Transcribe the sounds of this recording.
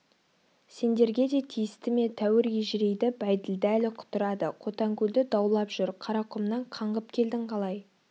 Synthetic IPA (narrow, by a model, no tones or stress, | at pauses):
se̞nd̪e̞ɾɡʲe̞d̪e̞t̪ʰijɪst̪ɪme̞t̪ʰæwɪɾjeʒɪɾejd̪ɪbæjd̪ɪld̪ɪælɪqʰʊ̥t̪əɾɑd̪əqʰo̞t̪ɑŋkʲɵld̪ɪd̪ɑwlˠɑpʒ̥ʏɾqʰɑɾɑqʰʊmnɑɴqʰɑɴʁəpkʲʰe̞ld̪ɪɴqʰɑlˠɑj